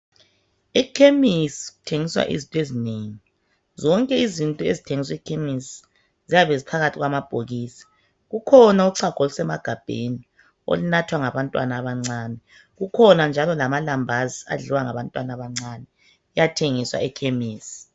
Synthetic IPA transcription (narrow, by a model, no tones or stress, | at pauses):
ikʰemisiɣutʰeŋiswa̰ʔḭzintʼɔezineŋi | zɔŋkʼɛizintʼɔezitʰeŋiswikʰemisi̥ | zijaβezipʰaɣatʰiɣwamab̥ʱoɣiːsḁ | ɣukʰɔnauǀʰaɡ̥ʱɔlusɛmaɡ̥ʱab̥ʱḛni | o̰linatʰwaŋaβantʼwa̰naβaŋ͡ǀaːnɛ | ɣukʰɔnand͡ʒʱalɔlamalambʱazia̰ɮiwaŋaβantʼwanaβaŋ͡ǀanɛ | ɛjatʰeŋiswa̰ɛkʰemiːsi̥